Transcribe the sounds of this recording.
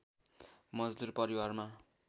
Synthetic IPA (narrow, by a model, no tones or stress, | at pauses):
mʌd͡zd̪urpʌɾiwarma